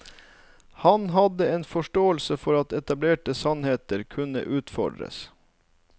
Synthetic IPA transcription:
hɑnɦɑd̪əeːnfɔʃʈoːəlsəfɔɾɑt̪ɛt̪ɑbleːʈəsɑnheːt̪əɾkʰʉnə̰ʔʉːt̪fɔ̰ɖɾə̰s

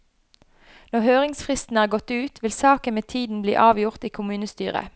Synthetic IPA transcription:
nɔʁhøːʁɪŋsfʁɪst̪n̩æːʁɡɔt̪ʉːt̪ʰʋɪlsɑːkənmeːt̪ʰiːd̪n̩blḭːʔɑːʋjʊʁt̪iːkʰʊmʉːnəst̪yːʁə̰

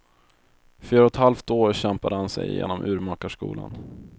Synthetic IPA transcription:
fyːɾaɔt̪halft̪oːɾɕɛmpad̪əhansɛ̰jjḛːnɔmʔʉ̟ːɾmɑːkaʂkṵːla̰n

